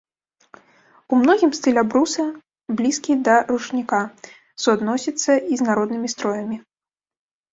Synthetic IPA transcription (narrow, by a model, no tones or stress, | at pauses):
umnɔɣʲimst̪ɨlʲɛbɾusɐ | blʲiskʲid̪ɐrut͡ʂnʲika | suad̪nɔsʲit̪sːɐiznaɾɔd̪nɨmʲist̪ɾɔjɐmʲi